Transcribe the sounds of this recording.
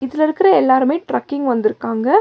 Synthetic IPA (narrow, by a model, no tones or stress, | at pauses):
ɪðɪlɪɾɯkːɪɾɐɛlːaːɾɯmeːʈɾɐkːɪŋɡʋɐnd̪ɪɾɯkːaːŋɡɐ